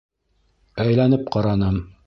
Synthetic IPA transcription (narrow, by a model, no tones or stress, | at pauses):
æjlænɘp̚qɑɾɑnɤm